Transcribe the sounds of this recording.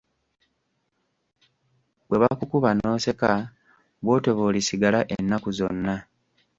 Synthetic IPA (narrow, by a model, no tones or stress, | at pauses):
βwe̞βakukuβano̞ːse̞ka | βwo̞ːto̞βo̞lisiɡalaʔenːakuzo̞̰nːa